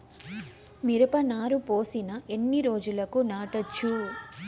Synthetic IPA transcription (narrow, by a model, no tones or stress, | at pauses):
miɾɐpɐnaːɾupo̞ːsinɐe̞nːiɾo̞ːd͡ʒulɐkunaːʈɐt͡ʃːu